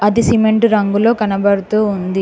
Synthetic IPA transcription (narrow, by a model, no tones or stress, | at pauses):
ɐd̪isimeɳʈɾɐŋɡuloːkɐnɐbɐɽut̪uːund̪i